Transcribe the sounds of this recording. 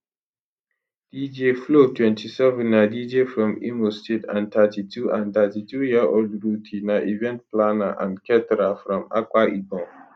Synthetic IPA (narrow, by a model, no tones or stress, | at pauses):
d̥id͡ʒeflotʰwɛ̃ntʰisɛvɛ̃nːadid͡ʒefɾɔ̃mḭmostetã̰ntʰatitʰuãntatitʰujaʔodɾutʰinaʔivɛ̃nt̚planaʔã̰nkʰɛtɾafɾɔ̃ma̰kaʔibɔ̃ŋ